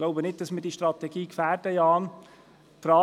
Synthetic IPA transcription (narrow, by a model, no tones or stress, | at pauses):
ɡ̥loʊbənɪt̚d̥ɑsmɪɾdiːʃtrɑt̪ɛɡiːkfæːɾdəjɑːn | fɾɑː